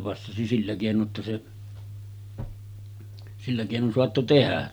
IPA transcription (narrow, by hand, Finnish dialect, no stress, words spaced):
pɑsːɑsi silːæ keˑinoʔ ʔetːæ se silːæ keˑinon soɑtːo tehæ